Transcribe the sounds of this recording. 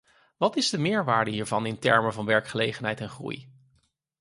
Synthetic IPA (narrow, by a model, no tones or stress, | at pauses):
ʋɑtɪzdəmɪːɹʋaːɹdəɦiːɹvɑnɪntɛ̰ɹməvɑnʋɛɹkχəlejχənɦɛjtɛnχrṵj